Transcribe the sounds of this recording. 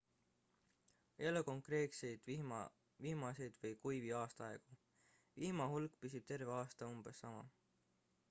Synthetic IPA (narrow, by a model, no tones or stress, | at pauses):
eluko̞ŋkre̞ːk̪se̞jd̪̥ | viːmɑse̞jd̪̥vɤjkujviɑːst̪ɑɑe̞ɡ̥u | viːmɑhulkˑpisib̥̚t̪e̞rve̞ɑːst̪ɑumb̥esːɑmɑ